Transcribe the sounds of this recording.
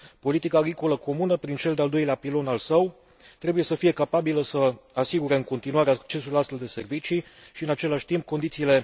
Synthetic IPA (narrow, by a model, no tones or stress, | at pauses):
po̞lit̪ikaːɡɾiko̞ləko̞munəpɾint͡ʃe̞ld̪eald̪o̞jleapilo̞nalsəw | t̪ɾe̞buje̞səfije̞kapabiləsəasiɡuɾe̞ɨŋko̞nt̪inuaɾeak̚t͡ʃe̞suluast̪fe̞ld̪e̞se̞rvit͡ʃiʃiɨnat͡ʃe̞laʃʲt̪imp̚ko̞nd̪it̪siːle̞